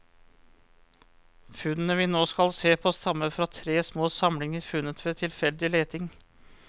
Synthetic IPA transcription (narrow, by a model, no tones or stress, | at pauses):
fʉnənəʋɪnoːskɑlseːpʰoːst̪ɑmːəfɾɑt̪ʰɾeːsmoːsɑmlɪŋifʉnət̪ʰʋeːt̪ʰɪlfɛld̪ɪleːt̪ʰɪŋ